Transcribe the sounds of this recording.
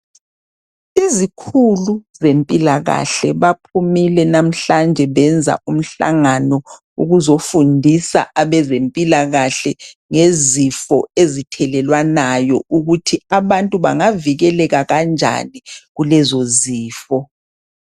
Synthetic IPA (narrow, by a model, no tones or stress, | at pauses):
izikʰuluzempʼilaɣa̰ɬɛβapʰumilɛnam̩ɬand͡ʒʱɛβɛnd͡zʱa̰ʔum̩ɬa̰ŋanɔ | ṵɣuzofundʱisa̰ʔaβɛzempʼilaɣaɬɛŋezifɔezitʰɛlɛlwanajɔʔuɣutʰiaβantʼuβa̰ŋaviɣɛlɛɣaɣand͡ʒʱa̰niɣulɛzoziːfɔ